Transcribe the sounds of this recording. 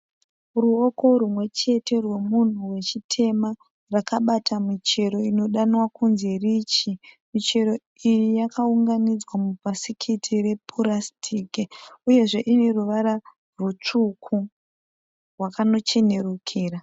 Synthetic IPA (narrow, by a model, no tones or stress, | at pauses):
ruoko̞ɾumwe̞t͡ʃe̞te̞rwe̞mun̤uwe̞t͡ʃitʰe̞ma | rakaɓatamit͡ʃe̞ɾo̞ino̞ɗanwakʰunze̞rit͡ʃimit͡ʃe̞ɾo̞ | ijijakʰauŋɡanid͡zwamupasikʰitʰire̞pʰurastʰiːkeuje̞ʐe̞ʔineruʋaɾa | rut͡ʂukʰu | rwakano̞t͡ʃe̞ne̞rukʰiːra